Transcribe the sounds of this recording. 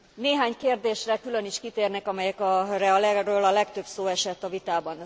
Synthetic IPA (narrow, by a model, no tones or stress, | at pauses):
neːɦaːɲkeːrd̪eːʃrɛkylø̞niʃkit̪eːrnɛkɒmɛjɛkɒrɛɒlɛrøːlɒlɛkt̪ø̞bsoːɛʃɛt̪ːɒvit̪aːbɒn